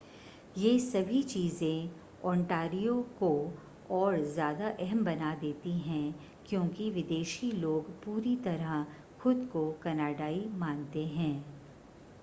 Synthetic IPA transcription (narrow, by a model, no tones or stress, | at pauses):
jeːsɐbʱit͡ʃiːzẽ | ɔ̃ːɳʈaːɾijoko | ɔːɾzjaːd̪aʔɛɦɛmbɐnad̪eːt̪iɦɛ̃ | kjõːkiʋɪd̪eːʃiloːɡpuːɾit̪ɐɾəɦ | xʊd̪kokɐnaːɖaːimãːnt̪eɦɛ̃ː